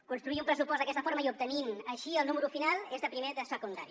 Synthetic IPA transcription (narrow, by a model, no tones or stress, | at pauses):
kunst̪ɾuiumpɾəsupɔzd̪əkɛst̪əfoɾməiup̚t̪əninəʃiəlˠnuməɾufinalˠezðəpɾimeðəsəkund̪a̰ɾi